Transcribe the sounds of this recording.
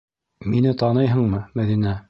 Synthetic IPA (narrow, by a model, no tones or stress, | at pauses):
minɘt̪ɑnɤjɦɤ̆ɴmɤmæðinæ